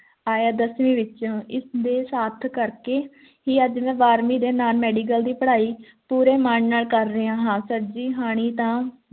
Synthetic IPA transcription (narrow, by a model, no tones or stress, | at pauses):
aːjaːd̪əsmĩːʋɪt͡ʃõːɪsd̪eːsaːt̪ʰkəɾkeː | ɦiːəd͡ʒmɛ̃ːʋaːɾmiːd̪eːnaːlmɛːɖiːk̬əld̪iːpəɽaːiː | puːɾeːmaɳnaːlkəɾːəãːɦãːsəɾd͡ʒiːɦaːɽ̃iːt̪ãː